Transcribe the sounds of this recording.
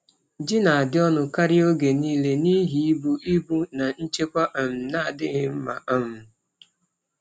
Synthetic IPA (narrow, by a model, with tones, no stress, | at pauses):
d͡ʒɪ˦na˨a˨dɪ˦ɔ˦nʊ˨ka˦ɾɪ˦o˦ɡe˨niː˦le˦ni˦ɦi˨˦i˦bu˦ʔi˦bu˦na˨n̩˦t͡ʃe˦kʷa˦ʔ̩˨m̩˨na˦a˨dɪ˦ɣɪ˦m̩˦ma̰˨a˦m̩˨